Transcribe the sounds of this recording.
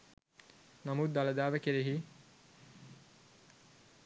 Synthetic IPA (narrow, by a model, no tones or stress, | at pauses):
namut̪̚d̪aləd̪aːʋəkeɾeɦi